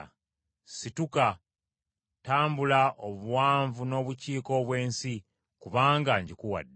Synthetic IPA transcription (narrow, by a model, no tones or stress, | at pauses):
situka | taːmbulaʔoβuwaːɱvuno̞ːβuciːko̞βwe̞ːnsi | kuβaːŋɡaɲɟikuwa̰dːe